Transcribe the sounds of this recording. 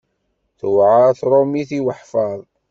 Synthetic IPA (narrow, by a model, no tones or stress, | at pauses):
θwʕaθɾˤomiθiwəħfɑðˤ